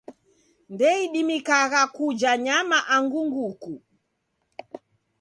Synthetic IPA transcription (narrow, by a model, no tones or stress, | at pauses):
ndɛiɗimikaɣakud͡ʒaɲamaʔaŋɡuŋɡuku